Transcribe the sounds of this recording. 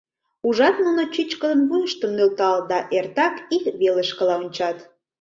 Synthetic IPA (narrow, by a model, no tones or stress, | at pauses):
uʒɑt̪nunot͡ɕyt͡ɕkələmβujəʃt̪əmnølt̪ɑld̪ɑʔert̪ɑkikβeləʃkəlɑonʲt͡ɕɑt̪